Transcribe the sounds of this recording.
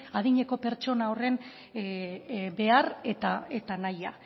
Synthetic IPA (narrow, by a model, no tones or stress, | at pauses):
aðiɲe̞ko̞pe̞ɾt͡ʃo̞nao̞re̞n | be̞aret̪aet̪anaja